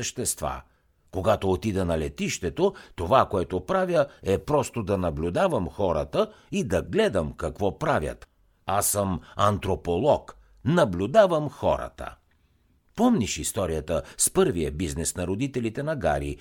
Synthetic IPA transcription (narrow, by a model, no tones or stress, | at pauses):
əʃt̪ɛst̪va̰ | koɡat̪oːt̪id̪ɛnɐlɛt̪iʃt̪ɛt̪ot̪ovakoɛt̪opɾavʲjəɛpɾɔst̪od̪ɐnɐblʲud̪avəmxɔɾə̰t̪ə | id̪ɐɡlɛd̪əmkɐkvɔpɾavʲjɐ̰t̪ | asəmɐnt̪ɾopolˠɔk | nɐblʲud̪avəmxɔ̰ɾə̰t̪ə̰ | pɔmnʲiʃist̪ɔɾijət̪əspɤɾvijəbiznɛsnɐɾod̪it̪ɛlit̪ɛnɐɡa̰ɾḭ